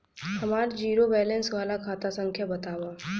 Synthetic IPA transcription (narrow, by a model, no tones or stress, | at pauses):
hɐmaːɾd͡ʒiːɾobɛːlɛ̃nsʋaːlakʰaːt̪asɐ̃ŋkʰjabɐt̪aːwaː